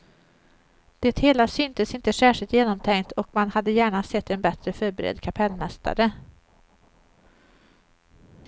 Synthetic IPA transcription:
d̪̥ɛt̪heːlasʏnt̪əsɪnt̪əsæːʂɪlt̪jeːnɔmt̪ʰɛŋkt̪ʰɔkmanhad̪ːəjæːɳasɛt̪ːɛnbɛt̪ɾəfœːɾbɛɾɛ̰d̪kʰapʰɛlːmɛst̪a̰ɾə

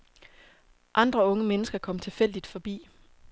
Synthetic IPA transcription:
ʔɑ̈nd̥ʁɐɔ̽ŋəmenəsɡ̥ɐkʰɒ̽m̰t͡sʰe̝lfel̰d̥id̥fɒ̽b̥ḭː

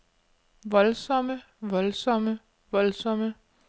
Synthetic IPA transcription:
ʋɒlsɒ̽mə | ʋɒlsɒ̽mə | ʋɒlsɒmə

